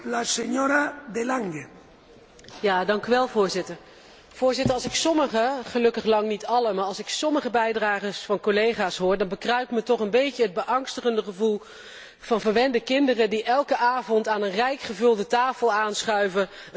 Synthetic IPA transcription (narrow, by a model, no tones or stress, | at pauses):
laseɲoɾad̪elaŋɡe | jaːdɑŋkyʋɛlˠvʊːɹzɪtəɹ | v̥ʊːɹzɪtəɹɑlˠsɪksɔməχəχəlɵkəχlɑŋnitɑləmaːɹɑlˠsɪksɔməχəbɛjdraːχəsfɑnkolejχaːsɦʊːɹdɑnbəkrœɥp̚tmətɔχənbejcəɦəd̚bəʔɑŋstəχəndəχəvulˠ | v̥ɑnvəɹʋɛndəkɪndərədiʔɛlˠkəʔaːvɔntaːnənrɛjkχəvɵlˠdətaːfəlˠaːnsχœɥvə